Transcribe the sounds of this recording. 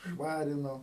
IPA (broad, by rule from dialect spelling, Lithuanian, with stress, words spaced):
ˈʃʋɑːrʲɪnoː